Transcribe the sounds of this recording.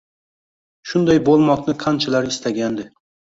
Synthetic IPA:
ʃʊnd̪ajbolˠmɒqnɪqʰant͡ʃʰalaɾɪst̪ʰaɡʲand̪ɪ

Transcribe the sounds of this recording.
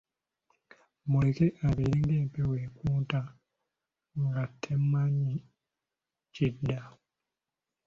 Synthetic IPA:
mulekeʔaβeiɾeŋɡeːmpeweːkuːta | ŋɡatʰːemːaɲːi | cidːa

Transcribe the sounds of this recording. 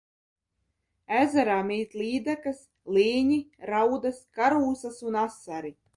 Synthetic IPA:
æzaɾaːmiːt̪liːd̪akas | liːɲiɾawd̪askaɾuːsasunasːaɾi

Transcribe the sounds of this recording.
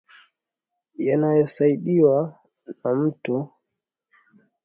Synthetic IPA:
janajɔsaiɗiwa | nam̩tu

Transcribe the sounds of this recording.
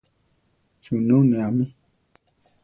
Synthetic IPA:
ʃununĩamĩ

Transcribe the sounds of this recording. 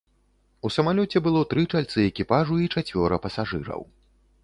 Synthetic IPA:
usɐmalʲɔt͡sʲɛbɨlˠɔt̪ɾɨt͡ʂalʲt̪sɨɛkʲipaʐuit͡ʂat͡sʲvʲɔɾɐpɐsaʐɨ̰ɾɐ̰w

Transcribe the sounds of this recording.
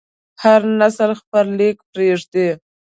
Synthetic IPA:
haɾnasəlxpəɾlekpɾeʐd̪e

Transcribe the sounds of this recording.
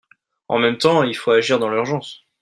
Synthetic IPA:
ɑ̰̃mɛmt̪ɑ̃ilfoaʒiʁd̪ɑ̃lyʁʒɑ̃s

